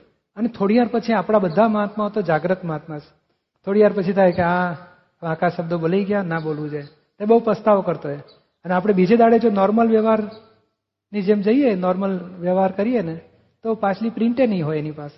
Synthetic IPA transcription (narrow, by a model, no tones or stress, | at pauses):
ənet̪ʰoɽiʋaɾpət͡ʃʰiapɽ̃abəd̪ʱːaməɦat̪maɦot̪od͡ʒaɡɾəkmaɦat̪mãs | t̪ʰoɽiʋaɾpət͡ʃʰit̪ʰajkeã | ʋãkaʃəb̚d̪obolajɡjanabolʋũd͡ʒaj | t̪ebəɦupəst̪aʋkəɾt̪oe | əneapɽ̃ebid͡ʒed̪aɽed͡ʒonɔɾməlʋjəʋaɾ | nid͡ʒemd͡ʒəienɔɾməlʋjəʋɦaɾkəɾiene | t̪opãt͡ʃlipɾɪ̃ɳʈenəɦĩɦojenipase̥